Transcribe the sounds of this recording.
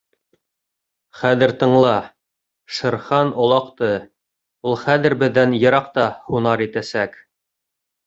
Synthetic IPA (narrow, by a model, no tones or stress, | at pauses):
χæðɘ̆ɾt̪ɤ̆ɴlˠɑ | ʃɤ̆ɾχɑnŏlˠɑqt̪ɤ | ulˠχæðɘ̆ɾbɘ̆ðːænjɤ̆ɾɑqt̪ɑhunɑɾit̪æsæk